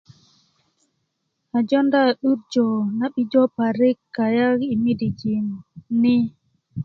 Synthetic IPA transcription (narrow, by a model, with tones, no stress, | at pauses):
a˨d͡ʒɔ˦nda˦˨ɗu˦ɾd͡ʒɔ˨na˦ɓi˦d͡ʒɔ˦pa˨ɾi˦kːa˨ja˦ki˨mi˦di˨d͡ʒi˨nni˦